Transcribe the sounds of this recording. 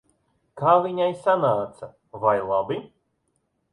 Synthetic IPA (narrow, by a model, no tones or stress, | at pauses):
kaːviɲajsanaːt̪sa | vajlˠabi